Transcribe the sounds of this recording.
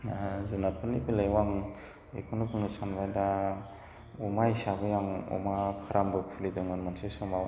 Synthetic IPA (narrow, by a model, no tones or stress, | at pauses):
azunapʰanibilajwaŋ | ḛkʰɔnupɯŋɯsʰanbajda | umaisabɯjaŋṵmakʰaɾambɯk̚fʰulidoŋanmansesɔmaw